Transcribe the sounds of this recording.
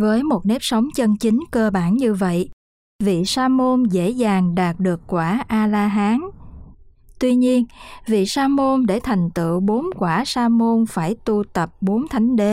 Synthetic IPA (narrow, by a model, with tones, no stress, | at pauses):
vəː˨˦jmo˨˩t̚ne˦˥p̚sə˨˦wŋ͡mt͡ɕə˧nt͡ɕï˨˦ŋ̟kəː˧ɓaː˧˩nɲɨ˧və̰˧˨j | vḭ˧˨saː˧mo˧nzḛ˧˥zaː˨˩ŋɗaː˨˩t̚ɗɨ˨˩əkːwaː˧˩ʔaː˧laː˧ɦaː˨˦n | t̪wi˧ɲi˧ənvḭ˧˨saː˧mo˧nɗe˧˩t̪ʰa˨˩jŋ̟t̪ɨ̰˧˨ɓo˨˦nkwaː˧˩saː˧mo˧nfaː˧˩jt̪u˧t̪ə˨˩p̚ɓo˨˦nt̪ʰa˨˦jŋ̟ɗe˨˦